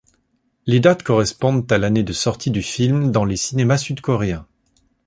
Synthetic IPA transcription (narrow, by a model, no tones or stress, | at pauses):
led̪at̪kɔʁɛspɔ̃d̪t̪alaned̪əsɔʁt̪ʰid̪yfilmd̪ɑ̃lesinemasyd̪kɔʁeɛ̃